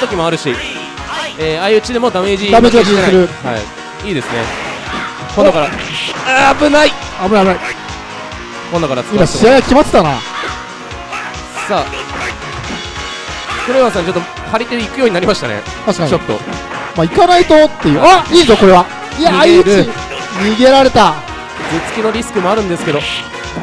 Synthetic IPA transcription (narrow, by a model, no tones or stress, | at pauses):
t̪o̞kʲimoaɾɯ̟ɕi | eːaiɯ̟t͡ɕid̪e̞mo̞d̪ame̞ːd͡ʑid̪ame̞ːd͡ʑiɡat͡ɕieɾɯ̟ha̰i | iːd̪e̞sɨne̞ | kond̪okaɾa | abɯ̟nai | abɯnabɯnai | kõnd̪okaɾasimaɕiajakʲimat̪e̥t̪ana̰ | sa | kɯɾeβas̬ãɲ̟t͡ɕo̞t̪ːo | haɾʲit̪eikɯjo̞ːɲ̟inaɾʲimaɕi̥t̪anḛ | t̪aɕi̥kaɲt͡ɕo̞t̪ːo̞̰maikanait̪ot̪ːe̞jɯaiːzoko̞ɾe̞βa | ijaaiɯɾi | ɲʲiːɡe̞ɾaɾe̞t̪a | d͡zet͡sɨ̥kʲino̞ɾʲisɨ̥kɯmoaɾɯ̟̃nd̪e̞sɨ̥ke̞d̪o̞